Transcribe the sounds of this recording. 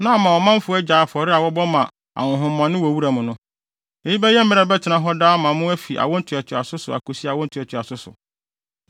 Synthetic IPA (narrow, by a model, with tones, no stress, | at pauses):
nã˦˨mã˨ɔ˨mã˦m˦fʊ˨˦ɛ˦d͡ʑaː˨fɔ˨ɾɪ˦a˨wɔ˦bɔ˦mã˨ | a̰˨ʊ̃˨ɦʊ̃˨m˦mã˨nɪ̃˦wɔ˨wu˦ɾa˨mʊ̃˨nʊ̃˦ | e˨ji˦bɛ˦jɛ˦m̩˦mɪ̃˦ɛ˨bɛ˦tʰɪ˨nã˨ɦɔ˦daː˦mã˨˦mʊ̃˦æ˦fi˨ʔa̰˨wɔ̃˦n̩˦tʰʊ˨ɛ˨tʰɪ˨a˨sʊ˦sʊ˨a̰˨ko˨si˦˨a˨wɔ̃˦n̩˦tʰʊ˨ɛ˨tʰɪ˨a˨sʊ˦sʊ̰˨